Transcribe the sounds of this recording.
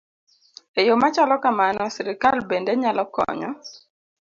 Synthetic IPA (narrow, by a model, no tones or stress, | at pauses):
ejomat͡ʃalɔkamanɔsiɾikalbendeɲalɔkɔ̰ɲɔ̰